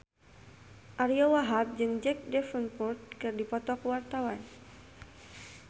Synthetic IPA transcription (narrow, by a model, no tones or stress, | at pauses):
ʔaɾiɔwaɦap̚d͡ʒɨŋd͡ʒɛk̚dɛfənpurt̪̚kɨrdipɔt̪ɔkwart̪awan